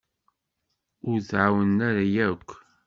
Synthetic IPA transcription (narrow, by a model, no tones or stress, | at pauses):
ʊɾzʕawənːæɾajækʷː